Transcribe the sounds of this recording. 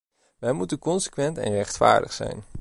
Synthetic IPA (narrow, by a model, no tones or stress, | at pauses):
ʋɛjmutənkɔnsə̥kʋɛntɛ̰nrɛχtfa̰ːɹdəχsɛ̰jn